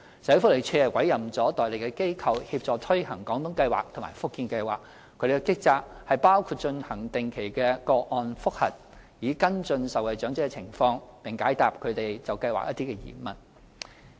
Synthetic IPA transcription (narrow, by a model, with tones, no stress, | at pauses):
sɐ˨˥fʊ˥le˨˩jt͡ʃʰøː˧ɛ˨˩wɐ˨˥jɐ˨˩mt͡sɔː˨˥t̪ɔː˨jle˨˩jkɛ˧ke˥jkʰɐ˧whiː˧p̚t͡sɔː˨t̪ʰɵ˥ɥhɐ˨˩ŋkɔː˨˥ŋt̪ʊ˨˥ŋkɐ˧jwa̰ː˨˩k̚t̪ʰʊ˨˩maː˨˩jfʊ˥kːiː˧nkɐ˧jwaː˨k̚ʰ | ɵ˨˧ɥd̪e˨˩˧kɛ˧˥kɪ˥k̚t͡saː˧k̚hɐ˨jpaː˥wkʰu˧t̚t͡ʃɵ˧nhɐ˨˩ŋt̪ɪ˨˩ŋkʰe˨˩jkɛː˧kɔː˧k̚ʔɔː˨˧nfʊ˥k̚hɐ̰˨˩t̚jiː˨˥kɐ˥nt͡ʃɵ˧nsɐ˨˩wɐ˨jt͡ʃœː˨˥ŋt͡sɪ˥kɛ˧t͡sʰɪ˨˩ŋfɔː˧ŋpɪ˨ŋkaː˨˥jt̪aː˨˩p̚kʰɵ˨˧˥t̪e˨jt͡sɐ˨wkɐ˧jwa̰˨k̚jʔɐ˥t̪i˥kɛ˧jḭː˨˩mɐ˨˩n